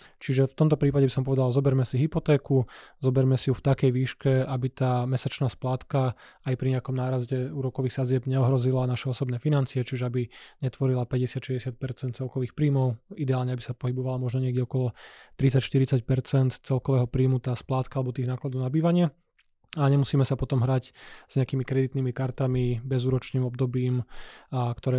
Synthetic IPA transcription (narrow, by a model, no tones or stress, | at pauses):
t͡ʃiʒɛft̪ɔmt̪ɔpɾiːpaɟɛbisɔmpɔʋɛd̪alzɔbɛɾmɛsiɦipɔt̪ɛːkuzɔbɛɾmɛsiuft̪akɛjʋiːʃkɛabit̪aːmɛsat͡ʃnaːsplaːt̪kaajpɾiɲɛakɔmnaːɾazɟɛuːɾɔkɔʋiːxsad͡zɪɛbɲɛɔɦɾɔzilanaʃɛɔsɔbnɛːfinant͡siɛt͡ʃiʒɛabiɲɛt̪ʋɔɾilapɛɟɛsɪat̪ʃɛɛsɪat̪̚pɛɾt͡sɛnt̪t͡sɛlkɔʋiːxpɾiːmɔʊid̪ɛaːlɲɛabisapɔɦibɔʋalamɔʒnɔɲɪɛɡɟɛɔkɔlɔt̪ɾit͡sacʃt̪iɾit͡sac̚pɛɾt͡sɛnt̪t͡sɛlkɔʋɛːɦɔpɾiːmut̪aːsplaːt̪kaalɛbɔt̪iːɣnaːklad̪ɔʊnabiːʋaɲɪɛ | aɲɛmusiːmɛsapɔt̪ɔmɦɾaɟz̥ɲɛakiːmikɾɛd̪it̪niːmikaɾt̪amibɛzuːɾɔt͡ʃniːmɔb̚d̪ɔbiːm | kt̪ɔɾɛː